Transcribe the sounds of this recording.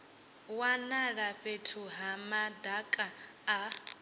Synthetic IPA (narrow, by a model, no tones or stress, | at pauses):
wanaɺaɸetʰuɦamadakʼaː